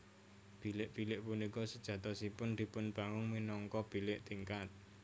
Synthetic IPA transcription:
b̥ilɪʔb̥ilɪʔpunikɔsəd̥ʒ̥ä̤t̪ɔsipʊnd̪̥i̤pʊnb̥aŋʊŋminɔŋkɔb̥i̤lɪʔt̪iŋkat̪̚

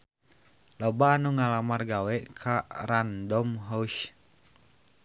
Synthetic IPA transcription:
lɔbaːnuŋalamarɡawɛʔkʰaɾandɔmɦauʃ

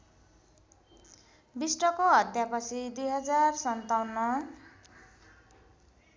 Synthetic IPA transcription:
bisʈʌkoɦʌt̪japʌt͡sʰid̪ujɦʌd͡zarsʌnt̪awnʌ

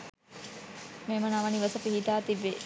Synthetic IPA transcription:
meːmənaʋɐniʋɐsəpiɦit̪aːt̪ibːe

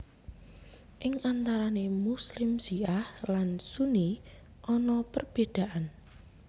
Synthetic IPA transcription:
ʔɪŋant̪aɾanemuslɪmsiahlansuni | ʔɔnɔpərb̥ed̪̥a̤ʔan

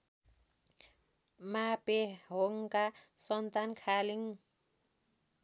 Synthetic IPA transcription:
mapeɦoŋkasɔnt̪ankʰaliŋ

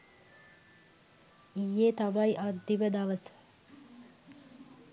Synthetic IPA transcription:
ijːet̪abajʔad̪ːiʋəd̪aʋəsə̥

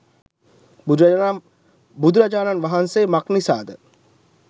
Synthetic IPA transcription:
buɾ | bud̪uɾad͡ʒaːnanʋaɦanseːmaknisa̰ːd̪ə

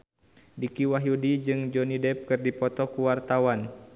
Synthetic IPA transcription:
dikiwaɦjudid͡ʒɨŋd͡ʒɔnidɛp̚kɨrdipɔt̪ɔkuwart̪awan

